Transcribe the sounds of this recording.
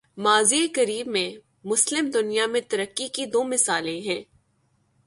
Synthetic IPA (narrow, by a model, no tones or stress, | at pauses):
maːziekɐɾiːbmẽ | mʊslɪmd̪ʊnijamẽt̪ɐɾəkːikid̪oːmɪsaːlẽɦɛ̃ː